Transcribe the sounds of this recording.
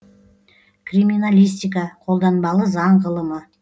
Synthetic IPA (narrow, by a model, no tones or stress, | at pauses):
kʰrimʲinalʲijst̪ʲijk̬ɑqʰo̞lˠd̪ɑnbɑlˠəzɑɴʁəlˠəmə